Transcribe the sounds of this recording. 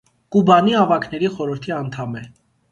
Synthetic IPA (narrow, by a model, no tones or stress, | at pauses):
kubɑniɑvɑkʰnɛɾiχɔɾəɾt̪ʰiɑnt̪ʰɑmɛ